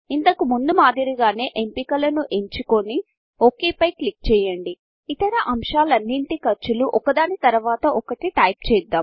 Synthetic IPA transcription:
int̪ɐkumund̪umaːd̪ʱiɾiɡaːne̞ːʔempiːkɐlɐnuʔe̞ɲt͡ʃukoni | oːkeːpɐjklik̚t͡ʃɛːjɐɳɖi | it̪ɐɾɐʔɐmʂaːlɐnːiɳʈikɐɾt͡ʃuluʔɔkɐd̪aːnit̪ɐɾuʋaːt̪ɐʔɔkɐʈiʈɐjp̚t͡ʃɛːd̪ːaːm

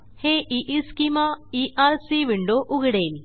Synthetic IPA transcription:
heːʔiʔiskimaːiʔaːɾsiʋɪɳɖoːʔʊɣɽeːli

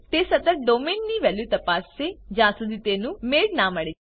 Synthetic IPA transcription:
t̪eːsət̪əɾɖoːmeːnːiːʋɛːljuːt̪əpaːseːd͡ʒãːsʊd̪it̪eːnũːmeːɖnãːməɽe

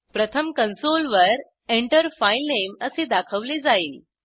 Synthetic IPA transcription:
pɾət̪ʰəmkənsolʋəɾ | eɳʈəɾfajlneməsed̪akʰəʋled͡zaiːl

